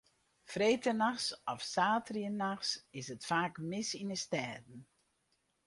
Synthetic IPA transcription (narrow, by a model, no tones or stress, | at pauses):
freːtənaxsɔfsaːtriənaxsɪsətfaːkmɪsinəstɛːdn̩